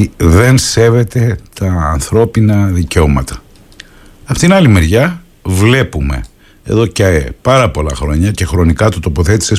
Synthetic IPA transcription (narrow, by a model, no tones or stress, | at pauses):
ðe̞nse̞ve̞t̪e̞t̪ɐːnθɾo̞pinɐðiceo̞mɐ̰t̪ɐ̥ | ɐpo̞t̪inɐlime̞ɾʝɐ | vle̞pume̞̰ | e̞̰ðo̞cɐepɐɾɐpo̞lɐxɾo̞ɲɐce̞xɾo̞nikɐt̪ut̪o̞po̞θe̞t̪i̥se̞s